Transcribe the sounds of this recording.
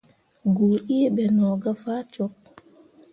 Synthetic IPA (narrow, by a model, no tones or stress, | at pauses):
ɡoːʔiɛbɛnɔɡafat͡ʃɔk̚